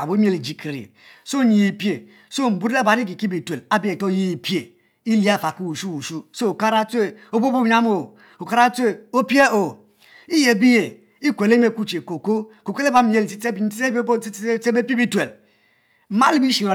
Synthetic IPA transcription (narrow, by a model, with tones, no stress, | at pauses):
a̰˨bo˦m˦e˦li˨d͡ʒi˨ki˨ɾḭ˨ | so˦ɲi˨i˨pje˨ | so˦m̩˨bu˦ɾa˦ba˨ni˦k̬i˨ki˦bi˨twe˨la˦bi˦e˨to˦ji˦i˨pe˨ | i˦li˦a˦˨fa˨ku˦wu˨ʃu˦wu˨ʃu˦so˦o˨ka˦ɾa˦te˦˨o˦bo˦bo˦ɲa˦mo˨ | o˨ka˦ɾa˦tʷe˦˨o˦pi˦e˦o˨ | i˦je˨bi˦je˨ | i˦kʷe˨le˦me˦˨ku˦t͡ʃe˨ko˨ko˦ko˨ke˦le˦ba˨˦m̩˦je˦li˨i˦te˦bi˨n̩˦i˦e˦bbo˦i˦e˦te˦be˦pe˦bi˦twe˨l | m̩˦ma˦li˦bi˦ʃi˨ɾo˨